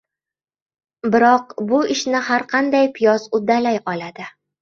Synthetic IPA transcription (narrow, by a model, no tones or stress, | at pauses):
bɪɾɒqbʊɪʃnɪhaɾqʰɑnd̪ajpʰɪjɒzʊd̪alajɒlad̪ɪ